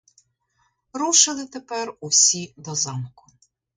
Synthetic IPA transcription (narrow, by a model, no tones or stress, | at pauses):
ɾuʃɪlˠɪt̪epɛrʊwsʲid̪ɔzɑmkʊ̥